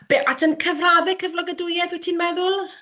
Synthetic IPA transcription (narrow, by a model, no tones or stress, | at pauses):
b̥eːʔatʰənkʰəvraðɪkʰːəvlˠɔɡədʊjɛθwɛtʰiːnmɛðʊlˠ